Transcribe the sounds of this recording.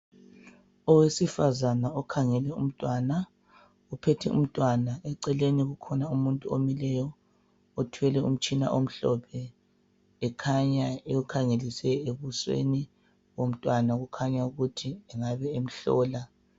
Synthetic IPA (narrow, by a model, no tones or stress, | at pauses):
ɔwesifazanaɔkʰaŋɛlɛum̩tʼwana | upʰetʰɛṵm̩tʼwanaɛǀɛleniɣukʰɔnaumuntʼuomilɛjɔ | otʰuɛlɛṵm̩t͡ʃʼina̰ʔom̩ɬɔ̰pʰɛː | kʰaɲaeukʰaŋelisɛeβuswḛni | wom̩tʼwanaɣukʰaɲauɣutʰiɛŋaβɛem̩ɬɔ̰ːla